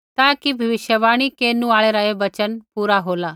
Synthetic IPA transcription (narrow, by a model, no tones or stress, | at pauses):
t̪aːkibʱɐʋɪʃjəʋaːɽ̃ikeːnũaːɭeːɾaeʋɐt͡ʃənpuːɾaɦoːlaː